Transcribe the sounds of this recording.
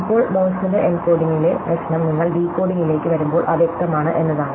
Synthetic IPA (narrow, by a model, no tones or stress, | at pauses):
ipːo̞ːɭmoːsɐndeʔenpoːɖiŋːilerɐsnɐmniŋːɐɭɖiːkːo̞ːɖiŋile̞ːkːɨʋɐɾumbo̞ːɭʔɐʋjek̚t̪ɐmaːɳɨʔe̞nːɐðaːɳɨ